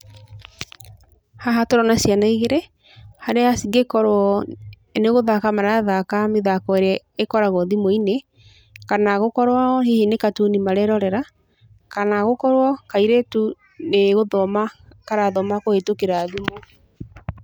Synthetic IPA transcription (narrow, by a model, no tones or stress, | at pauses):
haɦatoɾɔnasjanaiɣeɾɛ | haɾeasiɡekɔɾɔ | neɣoðakamaɾaðakameðakɔeɾea | ekɔɾaɣɔðimoine | kanaɣokɔɾwahihinekatunimaɾɛɾɔɾɛɾa | kanaɣokɔɾwɔkaiɾetu | neɣoðɔmakaɾaðɔmakohetokeɾaðimo